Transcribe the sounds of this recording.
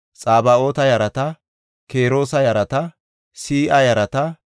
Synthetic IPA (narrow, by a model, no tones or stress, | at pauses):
t͡sʼaːbɐo̞ːt̪ɐjɐɾɐt̪ɐ | ke̞ːɾo̞ːsɐjɐɾɐt̪ɐ | siːʔɐjɐɾɐt̪ɐ